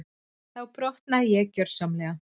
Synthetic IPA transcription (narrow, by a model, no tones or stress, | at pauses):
θawpɾɔht̪najɛcœɾ̥samlɛːɣa